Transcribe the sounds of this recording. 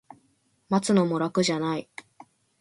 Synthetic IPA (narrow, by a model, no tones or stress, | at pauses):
mat͡sɨno̞mo̞ɾakɯ̟ʑanai